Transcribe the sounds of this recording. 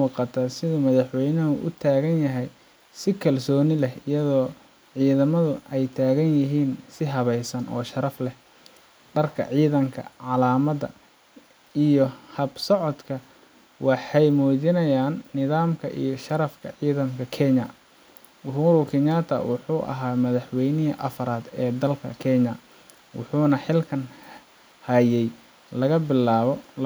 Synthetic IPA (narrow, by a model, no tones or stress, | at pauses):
muːqɑt̪ʰɐsɪðʊmɐðɐħwɛjnɐɦʊʔʊ̰t̪ʰaːɣɐnjɐɦɛj | sɪkʰɐlsɔːnɪlɛɦɪjɐðɔː | ʕiːðɐmɐðʊʔɛjt̪ʰaːɣɐnjɐɦiːnsɪɦɐβɛjsɐnʔɔ̰ːʃɐɾɐflɛh | ɖɐrkʰɐ̰ʕiːðɐŋkʰɐ̰ʕɑlaːmɐdɐ̰ | ijɔhɐbsɔʕɔd̪kʰɐ | wɑħɑjmuːðɪnɐjaːnːɪðaːmkʰɐʔḭjɞʃɐɾɐfkʰɐʕiːðɐmkʰɐkʰɛɲɐ | wʊɦɾʊkʰɪɲat̪ʰɐ̰wʊħuːʔɐ̰ɦaːmɐðɐħwɛjnɪɦɐ̰ʔɐfɐɾaːd̪ɛːd̪ɐlkʰɐ̰kʰɛɲɐ | wʊ̰ħuːnɐħɪlkʰɐn | hɐjɛj | lɐɣɐbɪlaːβɔl